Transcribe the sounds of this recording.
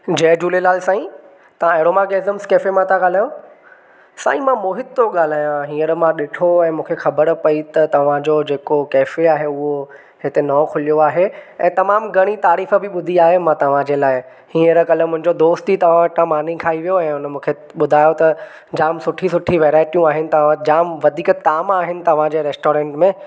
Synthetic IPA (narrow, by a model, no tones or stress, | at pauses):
d͡ʑɐːd͡ʑuːlelaːlsãːĩ | t̪ɐʋ̤ãeːɾoːmaːɡeːzəmskeːfemãt̪ʰãɠaːl̤aːjõ | sa̰ːĩmãmoːɦɪt̪̚toɠaːl̤aːjãɦĩːəɾmãɗɪʈʰoɛ̃ːmũːkʰexɐbəɾpɐit̪ɐt̪ɐʋ̤ãd͡ʑod͡ʑeːkokeːfeaːɦeʊɦo | hɪt̪enɐokʰʊlijoaːɦeɛ̃ːt̪ɐmaːmɡʱɐɽ̃it̪aːɾiːfə̆bʱɪɓʊd̪ʱiaːɦemãt̪ɐʋ̤ãd͡ʑeːlaːɪ | hĩːəɾkɐlə̆mʊ̃ɦɪ̃ɲd͡ʑod̪oːst̪it̪ɐʋ̤ãʋɐʈãmaːn̤ĩkʰaːiʋijoɛ̃ːʊnəmũːkʰe | ɓʊd̪ʱaːjot̪ɐ | d͡ʑaːmsʊʈʰĩsʊʈʰiʋɛːɾaːɪʈijũaːɦɪnɪ̆t̪ɐʋãd͡ʑaːmʋɐd̪ʱiːkt̪aːmaːɦɪnɪ̆t̪ɐʋ̤ãd͡ʑeːɾeːsʈoːɾɛ̃ːɳʈmẽː